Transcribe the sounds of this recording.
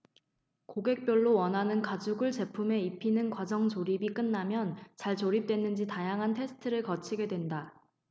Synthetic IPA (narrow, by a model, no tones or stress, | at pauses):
koɡe̞k̚p͈jʌɭːowʌnɦanɯnkad͡ʑuɡɯɭt͡ɕe̞pʰume̞ipʰinɯnkwad͡ʑʌŋt͡ɕoɾibik͈ɯnːamjʌnt͡ɕaɭt͡ɕoɾip̚t͈we̞nːɯnd͡ʑitajaŋɦantʰe̞sʰɯ̥tʰɯɾɯɭkʌt͡ɕʰiɡe̞dwe̞nda